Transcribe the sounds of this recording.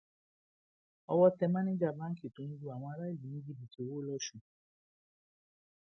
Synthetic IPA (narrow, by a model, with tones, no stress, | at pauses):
ɔ˧wɔ˧tɛ˧mã˦nĩ˦d͡ʒa˦˨bã˦ki˨tũ˨˧n̩˦d͡ʒu˦˧˨a˨w̃ɔ̃˧a˧ɾa˦i˦˨li˨nĩ˦ɡi˦bĩ˨to˨˦wo˦lɔ˧ʃu˨